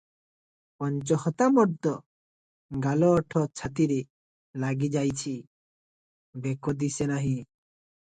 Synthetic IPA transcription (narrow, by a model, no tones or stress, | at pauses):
pɔnt͡ʃɔhɔt̪amɔʈ̚d̪ɔ | ɡalɔːʈʰɔt͡ʃʰat̪iɾi | laɡid͡ʒajt͡ʃʰi | bɛkɔd̪isenaɦĩ